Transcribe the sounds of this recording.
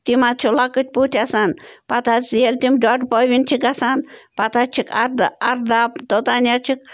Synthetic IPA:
t̪imat͡ʃʰulakɨt̪̚ʲput̪ʰʲasanpɐt̪ʰat͡sjelʲt̪imɖaʈpɔʋint͡ʃʰikasanpɐt̪ʰat͡ʃʰikaɾd̪ɐɾd̪apd̪ot̪aːnʲat͡ʃʰik

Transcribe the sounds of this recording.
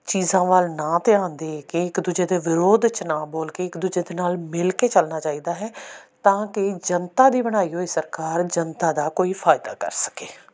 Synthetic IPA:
t͡ʃiːzãːʋəlnãːt̪eːãːnd̪eːkɪɪkd̪ʊd͡ʒeːd̪eːʋɪɾoːd̪t͡ʃnãːboːlkeːɪkd̪ʊd͡ʒeːd̪eːnaːlmɪlkeːt͡ʃəlnaːt͡ʃaːiːd̪aːɦɛːt̪ãːkɪd͡ʒənt̪aːd̪iːbəɽ̃aːiːɦoːesəɾkaːɾd͡ʒənt̪aːd̪aːkoːiːpʰaːjɪd̪a̰ːkə̰ɾsə̥keː

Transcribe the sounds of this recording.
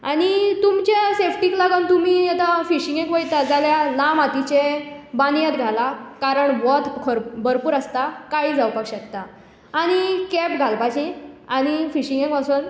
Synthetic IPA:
aɽ̃it̪umt͡ɕasefʈiklaɡənt̪um̤iet̪afiɕiŋɡẽkʋəjt̪ad͡zaljalãmat̪it͡ɕebanijat̪ɡʱalakaɾəɳbɔt̪kʰəɾbəɾpuːɾəst̪akaiːd͡zawpakɕək̚t̪aː | ɽ̃ikɛpɡʱalpat͡ɕĩaɽ̃ifiɕĩŋɡẽŋkpasun

